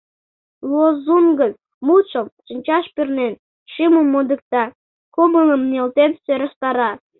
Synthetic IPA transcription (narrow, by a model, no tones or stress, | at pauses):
lozunɡən | mut͡ɕə̆mt͡ɕənʲt͡ɕɑʃpyrnen | ʃiməmːod̪ə̆k̚t̪ɑ | koməŋə̆mnelt̪ensøɾəʃt̪ɑɾɑ